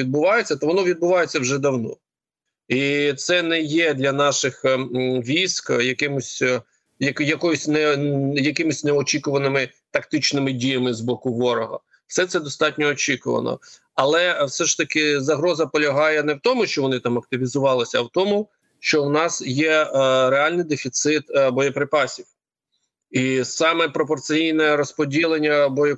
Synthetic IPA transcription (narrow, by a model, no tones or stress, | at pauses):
id̪̚bʊʋɑjet͡sʲːɐt̪ʋɔnɔʋʲid̪̚bʊʋɑjet͡sʲːɐwʒɛd̪ɐwnɔ̰ | it̪sɛnɛjɛd̪lʲɐnɑʃɪxʋʲijskjɐkɪmʊsʲ | jɐkjɐkɔjɔsʲnɛjɐkɪmʊsʲnɛɔt͡ʃʲikʊʋɐnɪmɪt̪ɐkt̪ɪt͡ʃnɪmɪdʲijɐmɪzbɔkʊʋɔɾɔɦɐ̰ | wsɛt̪sɛd̪ɔst̪ɑtʲnʲɔːt͡ʃikʊʋɐ̰nɔ̰ | ɐlˠɛwsɛʃt̪ɐkɪzɐɦɾɔzɐpɔlʲɐɦɑjɛnɛwt̪ɔmʊʃt͡ʃɔʋɔnɪt̪ɑmɐk̚t̪ɪʋʲizʊʋɑlˠɪsʲɐɐwt̪ɔmʊ | ʃt͡ʃɔwnɑsjɛɾeɑlʲnɪjd̪efʲit̪sɪt̪bɔjɐpɾɪpɑsʲiw | isɑmɛpɾɔpɔrt̪sɪjijnɛɾɔspɔdʲilˠenʲːɐbɔjɔ